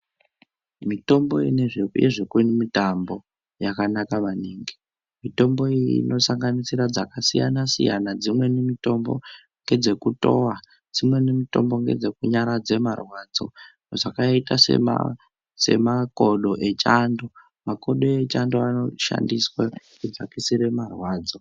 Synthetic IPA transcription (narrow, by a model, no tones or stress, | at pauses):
mito̞mboineʐejḛʐekunimitambo̞ | jakanakaʋaneːŋɡi | mito̞mbo̞iiḭno̞saŋɡanisiɾad͡zakasija̰nasḭjanad͡zimwe̞nemito̞mbo | ŋɡe̞d͡ze̞kuto̞wa | d͡zimwe̞nemito̞̰mbo̞ŋɡe̞̰d͡ze̞kuɲaɾad͡ze̞marwad͡zo̞̰ | ʐakaitasḛa̰ | se̞̰makoɗoʔet͡ʃando | mako̞ɗo̞et͡ʃandoano̞ʃa̰ndiswa | kud͡zakisiɾe̞marwaːd͡zo̞